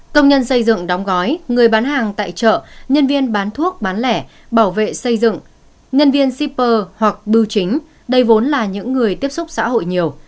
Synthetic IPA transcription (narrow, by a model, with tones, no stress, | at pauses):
kə˧wŋ͡mɲə˧nsə˧jzɨ̰˧˨ŋɗɔ˨˦wŋ͡mɣɔ˨˦jŋɨ˨˩əjɓaː˨˦nɦaː˨˩ŋt̪a̰ː˧˨jt͡ɕə̰ː˧˨ɲə˧nvi˧ənɓaː˨˦nt̪ʰu˦˥ək̚ɓaː˨˦nlɛ˧˩ | ɓaː˧˩wvḛ˧˨sə˧jzɨ̰˧˨ŋ | ɲə˧nvi˧ənsi˧pəː˧hwa˨˩k̚ɓɨ˧wt͡ɕï˨˦ŋ̟ | ɗə˧jvo˨˦nlaː˨˩ɲɨ̰˧˥ŋːɨ˨˩əjt̪i˦˥əp̚sʊ˦˥k͡p̚sa̰ː˧˥ɦo̰˧˨jɲi˨˩əw